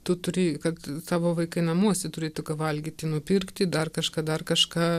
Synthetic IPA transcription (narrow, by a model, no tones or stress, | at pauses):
t̪ʊt̪ʊɾʲɪːkɐt̪sɑːʋoːʋɐɪkɐɪnɐmuɔsʲɛt̪ʊɾʲeːt̪ʊkɐʋɐlʲɡʲiːt̪ʲɪnʊpʲɪrkt̪ʲɪd̪ɐrkɐʃkɑːd̪ɐrkɐʃkɑː